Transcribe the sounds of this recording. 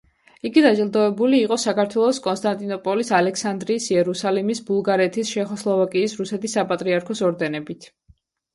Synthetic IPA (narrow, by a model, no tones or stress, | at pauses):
iɡid̪ad͡ʒilˠd̪ɔɛbuliːqʼɔsakaɾt̪ʰwɛlˠɔskʼɔnst̪ʼant̪ʼinɔpʼɔlisalɛksand̪ɾiːsiɛɾusalimisbulˠɡaɾɛt̪ʰisʃɛχɔslˠɔvakʼiːsɾusɛt̪ʰisːapʼat̪ʼɾiaɾkʰɔsɔɾd̪ɛnɛbit̪ʰ